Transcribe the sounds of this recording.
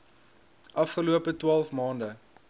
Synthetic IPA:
ʔɐfχəluəpətwɑːlˠfmɑːndə

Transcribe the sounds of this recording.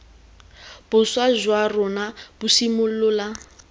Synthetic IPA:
b̥ʊswazwarʊnab̥ʊsimʊl̩lʊla

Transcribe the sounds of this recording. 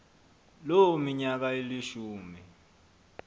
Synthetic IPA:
lomiɲak̬ailiʃuːmi

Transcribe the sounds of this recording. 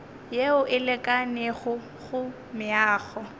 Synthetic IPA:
jeʊʔɪlɛkʼaneɣʊ | ɣʊ | mɪaːɣɔ

